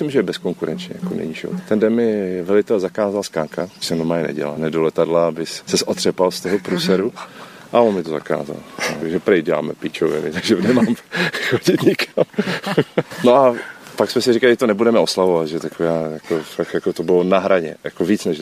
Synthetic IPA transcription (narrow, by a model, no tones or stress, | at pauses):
ɪmʒɛbɛskoŋkuɾɛnt͡ʃɲɛ̰ja̰konɛ̰ɲiʒɪvo̰t̪at̪ɛndɛnmɪvɛlɪt̪ɛlzakaːzalskaːŋkḁsɛmnomaːɪnɛ̰ɟɛ̰la̰nɛdolɛt̪adlabɪssɛsʔot̪r̝̥ɛpalst̪oɦopɾusɛɾu | ʔaonmɪt̪oza̰ka̰ːza̰laʒɛpɾɛjt̪ɟɛla̰ːmɛpit͡ʃovɛ̰nɪt̪aɡʒɛnɛmaːmxoɟɪt̪ɲɪkʰam | noʔapaksmɛsɪrikalɪɛt̪onɛbudɛmɛoslavovat̪ʒɛt̪akoaːjakofakjakot̪obɪlonaɦɾaɲɛ̰jakoviːt͡snɛʒ